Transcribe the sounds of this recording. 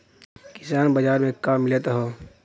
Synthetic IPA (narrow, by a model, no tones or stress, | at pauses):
kɪ̥saːnbɐd͡ʒaːɾmẽkːaːmːɪlet̪aɦoː